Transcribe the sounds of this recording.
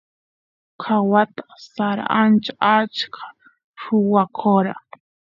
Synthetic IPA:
kʰawat̪ḁsaɾa̰ant͡ʃaat͡ʃkʰḁ | ɾʊwakʰoɾa

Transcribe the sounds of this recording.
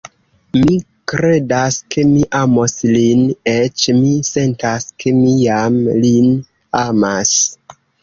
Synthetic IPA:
mi | kɾe̞daskʰe̞miʔamo̞slinet͡ʃmise̞ntaskʰemijamlin | amas

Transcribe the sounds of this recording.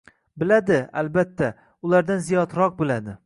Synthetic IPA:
bɪlad̪ɪa̰lbat̪ʰːa | ʊlˠaɾd̪anzijɒt̪ɾɒq̚bɪlad̪ɪ

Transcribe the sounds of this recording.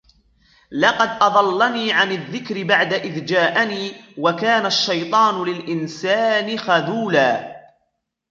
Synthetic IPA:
lɑqɑd̪ʔɑðˤɑlːaniːʕanɪðːɪkɾɪbaʕd̪aʔɪðd͡ʒaːʔaniːwakaːnaʃːɑjt̪ˤɑːnʊlɪlʔɪnsaːnɪxaðuːlaː

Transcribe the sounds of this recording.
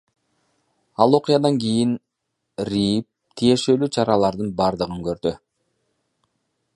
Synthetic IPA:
ɑlˠo̞qɨjɑd̪ɑŋɡʲijin | rʲip̚t̪ʰije̞ʃe̞lyt͡ʃʰɑɾɑlˠɑɾd̪ɯnbɑɾd̪ɯʁɯŋkøɾd̪y

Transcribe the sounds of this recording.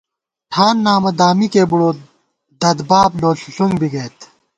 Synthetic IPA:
ʈʰaːnːaːmɐd̪aːmikeːbuɽoː | d̪ɐd̪baːbloːsusuŋɡbiɡɐːt̪

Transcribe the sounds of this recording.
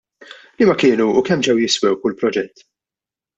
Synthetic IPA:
limɐkɪːnuːkɛmːd͡ʒɛwjɪswɛwkʊlpɾɔd͡ʒɛt̪ː

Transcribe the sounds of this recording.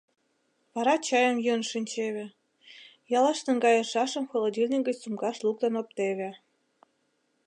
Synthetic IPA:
βɑɾɑt͡ɕɑjə̆mjunʃinʲt͡ɕeβʲĕ | jɑlɑʃt̪ɤ̆nɡɑjɤ̆ʃɑʃɤ̆mxolˠod̪ʲilʲnʲiɡə̆t͡ɕsumɡɑʃlˠuk̚t̪ɤnop̚t̪eβʲĕ

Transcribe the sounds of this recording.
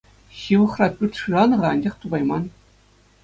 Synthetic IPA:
ɕiʋɤ̆χrɑpʲyrʲt̪ʲʂɯrɑnɤ̆ʁɑɑnʲd͡ʑɑχt̪ubɑjmɑn

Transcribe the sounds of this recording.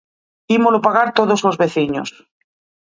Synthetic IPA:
imolopaɣaɾt̪oð̞ozlozβeθiɲo̰s

